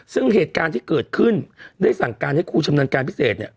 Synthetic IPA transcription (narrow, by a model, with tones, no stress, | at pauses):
sɯ˥˩ŋɦeː˨˩t̪̚kaː˧nt̪ʰiː˥˩kɤː˨˩t̪̚kʰɯ˥˩ndaː˥˩jsa˨˩ŋkaː˧nha˥˩jkʰuː˥˩t͡ɕʰa˧mnu˧ənkaː˧npʰi˦˥seː˨˩t̪̚nḭ˦˥˩ə